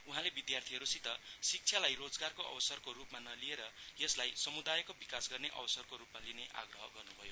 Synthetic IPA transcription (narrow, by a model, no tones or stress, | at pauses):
uɦãlebid̪jart̪ʰiɦʌɾusit̪ʌsik̚t͡sʰjalajrod͡zɡarkoʔʌ̰bʌsʌrkoɾupmanʌlieɾʌjʌslajsʌmud̪ajʌkobikasɡʌrneʔʌ̰bʌsʌrkoɾupmalineʔa̰ɡrʌɦʌɡʌrnubʱʌjo